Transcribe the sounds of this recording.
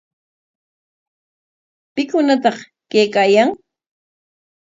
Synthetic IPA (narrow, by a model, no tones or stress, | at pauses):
pɪkʊnat̪ɑχ | kejkaːjaŋ